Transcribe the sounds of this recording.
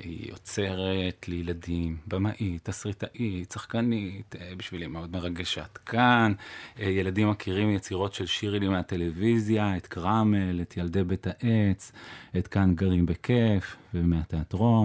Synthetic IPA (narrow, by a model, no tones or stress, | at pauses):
ḭjo̞̰t͡se̞ʁet̪lejeladimbamaʔitasʁitaʔit̪saχkanit̪biʃvilimeo̞dme̞ʁaɡeʃat̪kʰanje̞ladimːakʰiʁimjet͡siʁo̞tʃe̞lʃiʁilimeate̞levizjaet̪kʁamelet̪ʰjaldebetaʔet͡set̪kanɡaʁimbe̞kʰefvemeat̪eatʁo̞m